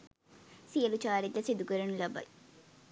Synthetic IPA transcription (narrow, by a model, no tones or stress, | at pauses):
sijɐlut͡ʃaːɾit̪ːɐsid̪ukəɾɐnulɐbɐ̰j